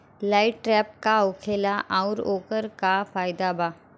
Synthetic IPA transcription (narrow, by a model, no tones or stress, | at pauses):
laːɪʈʈɾɛːp̚kaʊkʰeːlaʔaʊɾoːkəɾkafaːjd̪abaː